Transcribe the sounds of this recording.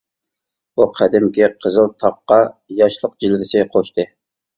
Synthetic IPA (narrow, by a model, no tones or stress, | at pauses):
buqʰæd̪ɪmkʲɪqʰəzɨlˠt̪ʰɑqːɑjɑʃlˠəq̚d͡ʒilvɪsɪqʰoʃt̪ɨ